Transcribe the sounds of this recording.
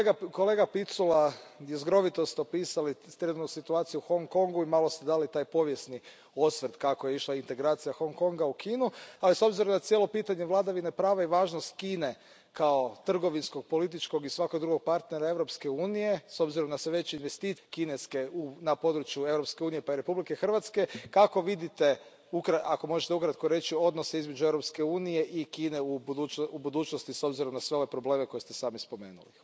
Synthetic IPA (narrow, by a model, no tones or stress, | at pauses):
ɡkoleːɡapit̪sulajezɡɾo̞ʋit̪o̞st̪opiːsalit̪ɾenut̪nusit̪uaːt̪sijuxo̞ŋko̞ŋɡuimaːlo̞st̪ed̪aːlit̪aːjpo̞ʋje̞sni | o̞sʋɾd̪kakojeiʃlˠaint̪e̞ɡɾaːt̪sijaxo̞ŋko̞ŋɡaukʰiːnualiso̞bziɾo̞mnat̪sjelo̞piːt̪aɲeʋlˠad̪aʋinepɾaːʋaiʋaːʒnost̪kiːne̞ | kʰao̞t̪r̩ɡo̞ʋinsko̞ɡ̚po̞lit̪̬it͡ʃko̞ɡisʋakoɡd̪ɾuɡo̞ɡ̚paɾt̪ne̞ɾae̞ʋɾo̞pske̞uːnije̞so̞bziɾo̞mnasʋeʋe̞t͡ɕeinʋe̞st̪ikineske̞unapo̞d̪ɾut͡ʃjue̞ʋɾo̞pske̞uːnije̞paiɾe̞publike̞xr̩ʋat̪ske̞kako̞ʋid̪it̪e̞ | ukɾaako̞mo̞ʒet̪eukɾat̪koɾe̞t͡ʃio̞d̪noseizmed͡ʒuevɾo̞pskeuːnije̞ʔikiːneub̪uubud̪uːt͡ʃnost̪iso̞bziɾo̞mnasʋeo̞ʋe̞pɾo̞ble̞ːme̞ko̞jest̪e̞saːmispo̞mḛːnṵli